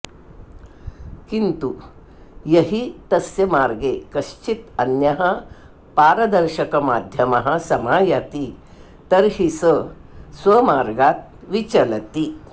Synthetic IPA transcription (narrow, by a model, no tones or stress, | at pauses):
kint̪u | jɐɦit̪ɐsjɐmaːɾɡekɐɕt͡ɕit̪ɐnjɐɦɐ | paːɾɐd̪ɐɾɕɐkɐmaːd̪ʱjɐmɐɦɐsɐmaːjat̪i | t̪ɐɾhisəsʋɐmaːɾɡaːt̪̚ | ʋit͡ɕɐlɐt̪i